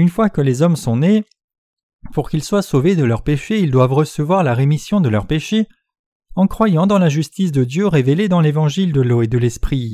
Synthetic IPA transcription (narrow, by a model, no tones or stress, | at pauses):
ynfwakəlezɔmsɔ̃ne | puʁkʲilswasoved̪əlœʁpeʃeild̪wavʁəsəvwaʁlaʁemisjɔ̃d̪əlœʁpeʃe | ɑ̃kχwajɑ̃d̪ɑ̃laʒyst̪is̬d̪əd̪jøʁeveled̪ɑ̃levɑ̃ʒild̪əloed̪əlɛspχi